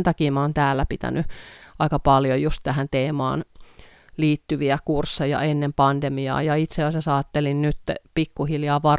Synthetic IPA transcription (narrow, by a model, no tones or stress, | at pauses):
nt̪ɑkiːmæoːnt̪æːlːæpit̪æ̰nyʔɑikɑpɑljojust̪t̪æhænt̪eːmɑ̰ːn | liːt̪ːyʋiækursːejɑ̰enːempɑndemiɑ̰ːjɑit̪seɑsesɑːt̪ːelinnyt̪ːpikːuhiljɑːʋɑ